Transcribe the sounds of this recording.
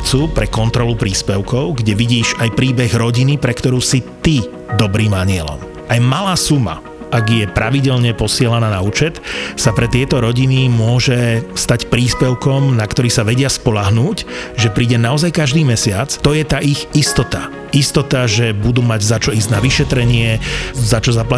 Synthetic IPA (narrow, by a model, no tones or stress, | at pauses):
t͡suːpɾɛkɔnt̪ɾɔlupɾiːspɛʊkɔʊɡɟɛʋiɟiːʃajpɾiːbɛɣɾɔɟinipɾɛkt̪ɔɾuːsit̪i | d̪ɔbɾiːmaɲɪɛlɔ̰m | ajmalaːsuma̰ | aɡjɛpɾʔaʋiɟɛʎɲɛpɔsɪɛlanaːnauːt͡ʃɛt̪sapɾɛt̪ɪɛt̪ɔɾɔɟinimʊɔʒɛst̪acpɾiːspɛʊkɔmnakt̪ɔɾiːsaʋɛɟɪaspɔʎaɦnuːcʒɛpɾiːɟɛnaɔzajkaʒd̪iːmɛsɪat͡st̪ɔjɛt̪aːʔiɣist̪ɔt̪a | ist̪ɔt̪aʒɛbud̪uːmaɟzat͡ʃɔiːzɟnaʋiʃɛt̪ɾɛɲɪɛzat͡ʃɔzapla